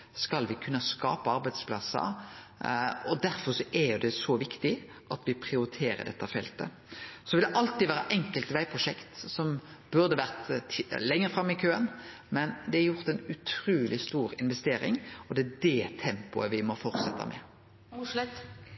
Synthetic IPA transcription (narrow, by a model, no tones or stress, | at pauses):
skɑlʋɪkʰʉnːɑskɑ̰ːpɑɑɾbæɪd̪spʰlɑsːə̰ | ɔd̪æɾfɔɾsɔʔɛɾjʊd̪ɛsɔʋɪkt̪ɪ | ʔɑt̪ʋɪpʰɾɪʊɾɪt̪ʰeːɾə̰d̪ɛt̪ːɑfɛlt̪ə̰ | sɔʋɪld̪ɛʔɑlt̪ɪʋæːɾɑʔɛŋkəlt̪ʋæɪpʰʁʊʂɛkt̪sɔmbʉɾd̪əʋæɾʁt̪lɛŋːəɾfɾɑmːɪkʰøːən | mɛnd̪ɛæɾjʊʁt̪ɛɪnʉt̪ʰɾʉːlɪst̪uːɾɪnʋɛst̪eːɾɪ̰ŋɔd̪ɛæd̪ɛt̪ʰɛmpʊəʋɪmɔfɔɾt̪sɛt̪ːɑ̰mɛ̰